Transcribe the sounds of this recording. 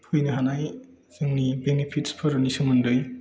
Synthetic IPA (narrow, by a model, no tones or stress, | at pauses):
hujnɯɦanaj | z̥ɯŋnibenepʰitspʰɐɾnisumɯndɯj